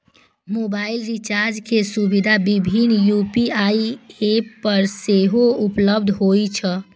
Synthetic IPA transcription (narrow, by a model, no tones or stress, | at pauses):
mobailɾit͡ʃaɾd͡ʒkʰesubid̪ʱabibʱinjupiaiepəɾseɦoupləb̚d̪ʱɦoit͡ʃʰə